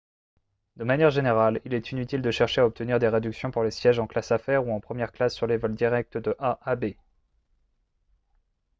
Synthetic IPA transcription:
d̪əmanjɛʁʒeneʁalilɛt̪ʰinyt̪ild̪əʃɛʁʃeaɔp̚t̪əniʁd̪eʁed̪yksjɔ̃puʁlesjɛʒɑ̃klasafɛʁuɑ̃pχəmjɛʁklasːyʁlevɔld̪iʁɛk̚t̪d̪əʔaʔabe

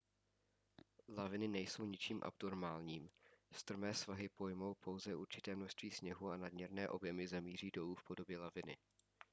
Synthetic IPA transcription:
lavɪnɪnɛjso̞wɲɪt͡ʃiːmʔa̰btoɾmaːlɲiːmst̪ɾ̩mɛːsvaɦɪpo̞jmo̞wpʰo̞wzɛʔuɾt͡ʃɪt̪ɛːmnoʃst̪viːsɲɛɦuːanad̚mɲɛɾnɛːʔo̞bjɛmɪzamiːr̝iːdo̞luːfpʰo̞do̞bjɛlavɪnɪ̰

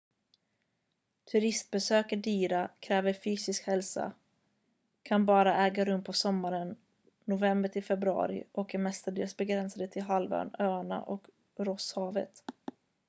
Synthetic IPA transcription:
t̪ʰɵɾɪst̪̚bɛsøːkəɖyːɾakʰɾɛːvəɾfyːsɪskhɛlsa̰ | kʰanbɑːɾaʔɛːɡaɾɵmːpʰɔsɔmːaɾənː | ʊvɛmbət̪ʰɪlfɛbɾɵɑ̰ːɾɪ̰ʔɔkɛmɛst̪aɖ̪eːlsbɛɡɾɛnsad̪ət̪ʰɪlɦalvœ̰nøːaɳa̰ʔɔk | ɾɔshɑːvə̰t̪

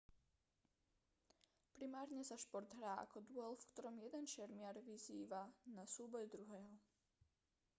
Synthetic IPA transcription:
pɾimaːɾɲɛsaʃpɔɾd̪ɦɾaːʔa̰kɔd̪ʊɔlfkt̪ɔɾɔmjɛd̪ɛnʃɛɾmɪaɾʋiziːʋanasuːbɔjd̪ɾuɦɛːɦɔ

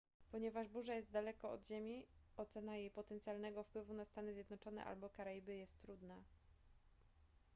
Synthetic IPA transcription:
pɔɲɛvaʐbuʐajɛst̪̚d̪alɛkɔɔ̰d̪ʑemʲiɔt̪sɛnajejpɔt̪ɛnt̪sjalnɛɡɔfpwɘvunast̪anɘzʲjɛd̪nɔt͡ʂɔn̪ɛ̰ʔa̰lbɔkaɾajibɘjɛst̪ːɾud̪na

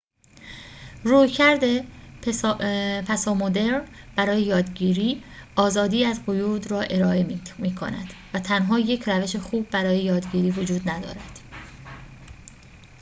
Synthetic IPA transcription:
ruːjcʰæɾd̪e | pʰæsɒːmod̪eɾn | b̥æɾɒːjejɒːd̪ɟiːɾiːʔɒːzɒːd̪iːæzɢojuːd̪ɾɒːʔe̞ɾɒːe̞miːkʰo̰næ̰d̪̥væt̪ʰænɦɒːje̞cʰræve̞ʃexuːb̚ːæɾɒːje̞jɒːd̪ɟiːɾiːvod͡ʒuːd̪næd̪ɒ̰ːɾæd̪̥

